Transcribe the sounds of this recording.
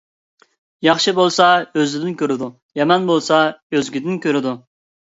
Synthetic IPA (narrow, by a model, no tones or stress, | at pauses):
jɑχʃɨbolˠsɑøzɪd̪ɪnkʲøɾɪd̪u | jɛmɛnbolˠsɑøzɡʲid̪ɪnkʲʰøɾɪd̪u